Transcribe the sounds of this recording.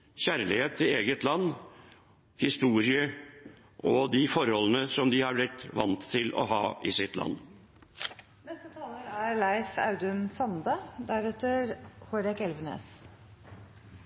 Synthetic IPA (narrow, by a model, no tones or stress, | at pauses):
çæːɾəlɪheːt̪ʰːɪeːɡət̪lɑnː | hɪst̪uːɾɪə | ʔɔd̪ɪfɔɾhɔlːənəsɔmd̪ɪhɑɾblɪt̪ʋɑ̰nt̪ʰːɪlɔ̰ɦɑ̰ːɪsɪt̪lʔɑ̰nː | nɛst̪ət̪ʰɑːləɾæɾlæɪfɑ̰ʉd̪əmsɑnd̪əd̪æɾɛt̪əɾhoɾɛkɛlʋənḛːs